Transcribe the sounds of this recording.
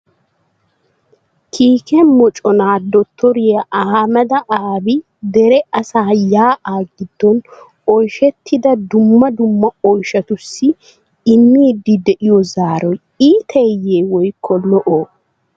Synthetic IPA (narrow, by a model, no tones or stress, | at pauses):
kʰiːkʰɛmɔt͡ʃʼɔnaːd̪ɔt̪ʰːɔɾɪjɐʔɐhamɐd̪ɐʔaːbɪ | d̪ɛɾɛɐsaːjaːʔaːɡɪd̪̥ːɔn | ɔjʃɛt̪ːɪd̪ɐd̪ʊmːɐd̪ʊmːɐɔjʃɐt̪ʊsːɪ | ɪmːiːd̪ɪd̪ɛʔɪjɔzaːɾɔj | iːt̪ʰeːjːeːwɔjkʰːɔlɔʔoː